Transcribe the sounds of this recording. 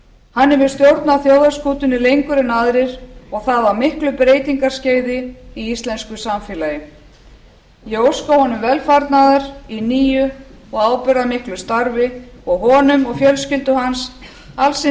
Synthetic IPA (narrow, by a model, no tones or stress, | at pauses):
hanːɛvɪ̥st̪jowɾt̪naθjoːwðaɾ̥skuːt̪ʏnɪlejŋkʏɾɪnaðɾɪɾɔɣθaðvaɾmɪhklʏpɾeːjt̪iŋkaɾ̥sceːjðɪiist̪lɛnskʏsamfɛːlajʏ | jɛowskowhɔnʏmvɛlfaɾt̪naðaɾiniːjʏɔɣaːwpʏɾðamɪhklʏst̪aɾvɪɔɣɦɔːnʏmɔɣfjœlscɪlt̪ʏhans | alsɪ